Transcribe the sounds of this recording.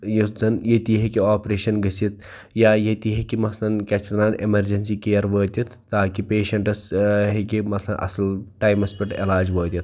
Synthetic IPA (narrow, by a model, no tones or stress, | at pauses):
jud̪ɐnjɐt̪iɦekiaːpɾeːʃɐnɡɐsit̪̚ʰ | jaːjet̪iɦekimɐt̪ʰlɐnkʲɐt͡ʃʰt̪ɾaːnemɐɾd͡ʒɐnsikeːjɐɾʋəːt̪ʲit̪ʰːaːkipeːʃɐɳʈɐsɦekimɐt̪ʰlɐnʔɐ̰sɐlʈaːjmɐspʲiʈelaːd͡ʒʋəːt̪ʲit̪ʰ